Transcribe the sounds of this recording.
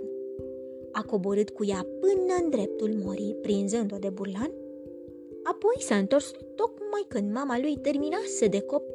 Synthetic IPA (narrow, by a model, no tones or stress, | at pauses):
ako̞bo̞ɾɨt̪kujapɨnəɨnd̪ɾe̞p̚t̪ulmoɾipɾinzənd̪uad̪e̞burlan | apo̞jsaɨnt̪o̞rs | t̪o̞kmajkɨnd̪mamalujt̪e̞rminasəd̪e̞ko̞p̚